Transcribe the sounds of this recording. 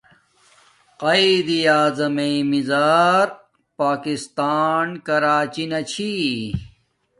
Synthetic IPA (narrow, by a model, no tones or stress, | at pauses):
qɐid̪iaːzɐmemizaːɾ | paːkist̪aːnkɐɾaːt͡ɕinɐt͡ɕʰi